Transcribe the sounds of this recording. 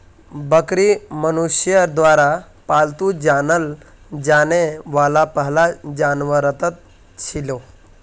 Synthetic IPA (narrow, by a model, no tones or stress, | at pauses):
bəkɾimənuɕjəd̪ʋaɾa | palt̪ud͡ʑanəl | d͡ʑaneʋalapəɦlad͡ʑanʋəɾət̪ət̪̚ | t͡ɕʰilo